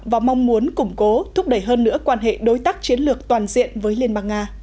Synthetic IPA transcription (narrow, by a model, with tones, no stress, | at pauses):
vaː˨˩ma˧wŋ͡mmu˨˦ənkʊ˧˩ŋ͡mko˨˦t̪ʰʊ˦˥p̚ɗə˧˩jɦəː˧nːɨ̰˧˥əkwaː˧nɦḛ˧˨ɗo˨˦jt̪aː˦˥k̚t͡ɕi˨˦ənlɨ˨˩ək̚t̪waː˨˩nzḭ˧˨ənvəː˨˦jli˧ənɓaː˧ŋŋaː˧